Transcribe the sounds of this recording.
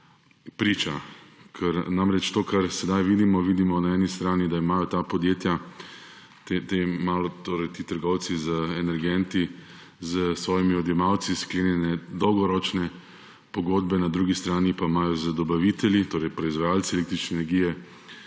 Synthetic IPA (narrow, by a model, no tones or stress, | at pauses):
pɾiːt͡ʃakʰəɾnamɾɛt͡ʃt̪oːkaɾsɛd̪ajʋiːd̪imɔʋiːd̪imɔnaɛːnist̪ɾaːnid̪aimaːjɔt̪apɔd̪jeːt̪ja | t̪et̪emaːlɔt̪oːɾɛjt̪iːt̪əɾɡɔwt̪sizəɛnɛɾɡɛnt̪i | zəsʋɔːjimiɔd̪jɛmaw̪siskleːnjɛnɛd̪ɔwɡɔɾɔt͡ʃnɛ | pɔɡoːd̪bɛnad̪ɾuːɡist̪ɾaːnipaimaːjɔzəd̪ɔbaʋit̪ɛljit̪oːɾɛjpɾɔizʋajaːlsiɛlek̚t̪ɾit͡ʃnɛːnɛɾɡiːjɛ